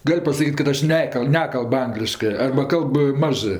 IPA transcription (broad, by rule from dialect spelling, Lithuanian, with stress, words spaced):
ˈɡɐlʲ pɐsɐˈkʲiːtʲ kɐt ˈɐʃ ˈnʲæːkɐlʲ ˈnʲæːkɐlˠp ˈɐŋɡlʲɪʃkɜ ɐrbɐ ˈkɐlˠp ˈmɑːʒɜ